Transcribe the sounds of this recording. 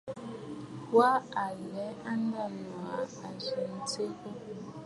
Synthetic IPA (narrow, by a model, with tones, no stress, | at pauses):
pwa˦a˨lɛ˨˦a˦n˦da˦˨nwa˨a˨ʒi˨n̩˦t͡se˦ko˦